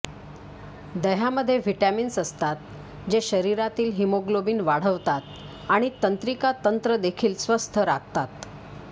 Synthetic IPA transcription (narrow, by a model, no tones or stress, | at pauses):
d̪əɦaməd̪ʱːjeʋiʈæmiːnsəst̪at̪̚ | d͡ʑeɕəɾiɾat̪iːlɦimoɡlobiːnʋaɽ̤əʋt̪at̪̚ | aɽ̃it̪ənt̪ɾikat̪ənt̪ɾəd̪ekʰiːlsʋəst̪ʰəɾaɡ̚t̪at̪